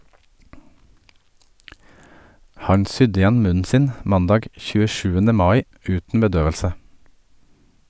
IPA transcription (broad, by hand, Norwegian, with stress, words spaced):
ˈhɑɲ ˈsʏd ɪˈjɛn ˈmʉnn̩ ˈsɪn ˈmɑndɑːɡ çʉːəˈʃʉːənə ˈmɑːɪ ˈʉːtn̩ bəˈdøːʋəlsə